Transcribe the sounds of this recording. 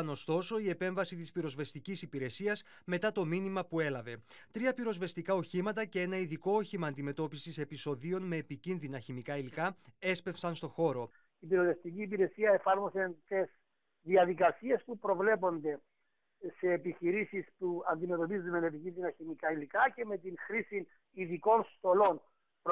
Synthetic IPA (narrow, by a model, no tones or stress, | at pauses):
no̞st̪o̞so̞ie̞pe̞ɱvɐsit̪ispiɾo̞zve̞st̪icisipiɾe̞siɐs | me̞t̪ɐt̪o̞minimɐpue̞lɐve̞t̪ɾiɐpiɾo̞zve̞st̪ikɐo̞çimɐt̪ɐcee̞nɐiðiko̞oçimɐːnd̪ime̞t̪o̞pisise̞piso̞ðio̞nme̞ːpicinðinɐçimikɐilikɐe̞spe̞fsɐnst̪o̞xo̞ɾo̞ | ipiɾove̞st̪iciːpiɾe̞siɐefɐɾmo̞sent̪es | ðiɐðikɐsie̞spupɾo̞vle̞po̞nd̪e̞ | se̞ːpiçiɾisispuɐnd̪ime̞t̪o̞pizunene̞picinðinɐçimikɐilikɐce̞me̞t̪inxɾisin | iðiko̞nst̪o̞lo̞n | p